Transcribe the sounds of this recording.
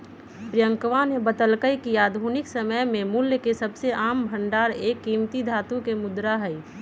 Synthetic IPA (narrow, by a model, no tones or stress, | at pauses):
pɾijə̃ŋkʋanebət̪əlkəjkiaːd̪ʱunɪksəməjmẽmʊljəkesɐbseʔaːmbʱə̃ɳɖaːɾeːkːiːmt̪id̪ʱaːt̪ũkemʊd̪ɾaɦɛi